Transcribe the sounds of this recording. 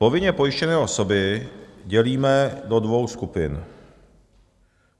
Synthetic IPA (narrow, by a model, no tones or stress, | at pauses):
po̞vɪɲɛpo̞jɪʃcɛnɛːʔo̞so̞bɪɟɛliːmɛdo̞dvo̞wskupɪn